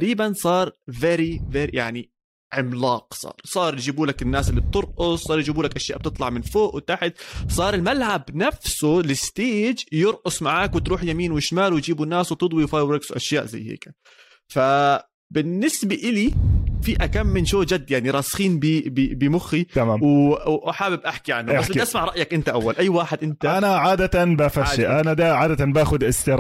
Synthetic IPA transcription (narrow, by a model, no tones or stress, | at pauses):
ɾiːbansˤɑːɾˤveːɾiveːɾijaʕni | ʕɪmlɑːqsˤɑ̰ːɾˤsˤɑːɾˤjd͡ʒiːbuːlakɪnːaːsʔɪlːib̚t̪ɨɾʔʊsˤsˤɑːɾˤjd͡ʒiːbuːlakʔaʃjaːʔb̚t̪ɨt̪ˤlɑʕmɪnfoːʔwɪt̪aħɪt̪sˤɑːɾˤɪlmalʕabnafsʊlɪst̪eːd͡ʒjɨɾˤʔʊsˤmaʕaːkwɪt̪ɾuːħjamiːnwɪʃmaːlwjd͡ʒiːbunːaːswt̪ɨd̪ˤwiwfaːjwɾɪɡswʔaʃja̰ːʔza̰jːhḛːka | fa | bɪnːɪsbaʔɪlifiʔakamːɪnʃoːd͡ʒad̪ːjaʕniɾˤɑːsxiːnbibbɪmʊxːit̪amaːmwʔaħaːbɪbʔaħkiʕa̰nːaʔasʔasmaʕɾˤɑʔjakʔɪnt̪aʔawːalʔajːwaːħɪd̪ʔɪnt̪aanaʕaːd̪at̪anbafaʃiʔanad̪aʕaːd̪at̪anbaːxʊd̪ʔɪst̪ɪɾˤ